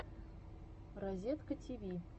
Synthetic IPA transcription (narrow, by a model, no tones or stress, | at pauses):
razʲet̪kətʲʰiβʲi